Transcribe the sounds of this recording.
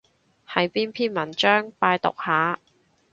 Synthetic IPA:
hɐ˨˧jpiː˥npʰiː˥nmɐ˨˩nt͡ʃœː˥ŋpaː˧jt̪ʊ̰˨k̚haː˨˥

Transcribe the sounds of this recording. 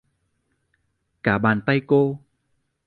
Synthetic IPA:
kaː˧˩ɓaː˨˩nt̪a˧jko˧

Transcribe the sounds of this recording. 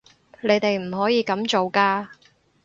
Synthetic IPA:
le˨˧jt̪e˨jm̩˨˩hɔː˨˥jiː˨˧kɐ˨˥mt͡so˨wkaː˧

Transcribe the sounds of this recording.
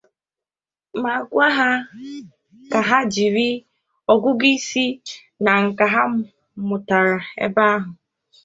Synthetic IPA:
ma˨ɡʷa˦ɦa˦ | ka˨ɦa˦d͡ʒi˨ɾi˦ | ɔ˨ɡʷʊ˦ɡi˦si˦ | na˨ŋ̩˨ka˨ɦa˦ | mʊ˨ta˨ɾa˨ḛ˦ba˦a˦ɦʊ˨

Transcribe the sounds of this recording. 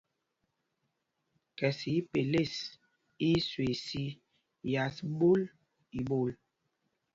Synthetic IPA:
kɛ˨si˨˦pe˨le˦˨s | i˦swe˨si˦ | ja˨sbo˦l | i˨bo˦˨l

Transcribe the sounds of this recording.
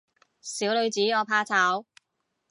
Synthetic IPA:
siː˨˥wlɵ˨˧ɥt͡siː˨˥ɔː˨˧pʰaː˧t͡sʰaː˨˥w

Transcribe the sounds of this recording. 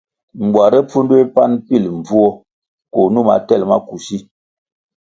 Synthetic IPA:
m̩˨bwa˨ɾɛ˦p͡fu˦n˦dwe˦pa˦npi˦˨lm˨b͡vu˦ɔ˦ | ko˨nu˦˨ma̰˨tɛ˦˨lma˦ku˨ʃi˦

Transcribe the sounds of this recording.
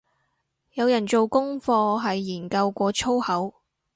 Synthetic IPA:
jɐ˨˧wjɐ˨˩nt͡so˨wkʊ˥ŋfɔː˧ɦɐ˨jːiː˨˩nkɐ˧wkʷɔː˧t͡ʃʰo˥whɐ˨˥w

